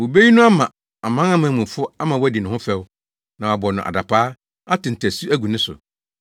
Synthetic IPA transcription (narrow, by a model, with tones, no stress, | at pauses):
wo˨be˦ji˦nʊ̃˦a˦mã˨ | a˨mã˦ã˦m̃˨mũ˨fʊ˦a˦mã˨wæ˦di˨nʊ̃˨hʊ̃˦fɛ˦w | nã˨wa˨bɔ˨nʊ̃˨ʔa̰˨da˨pʰaː˦ | a˦tɪ̃˨n̩˨tʰæ˨su˦æ˦ɡu˨nɪ̃˦sʊ̰˨